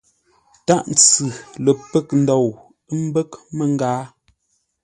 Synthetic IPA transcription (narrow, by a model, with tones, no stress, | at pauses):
ta˦ʔn̩˨t͡sʉ˨lə˨pə˦˨k̚n̩˦dɔ˨w | ə˦m̩˦bə˦kmə˨ŋ˦ɡaː˦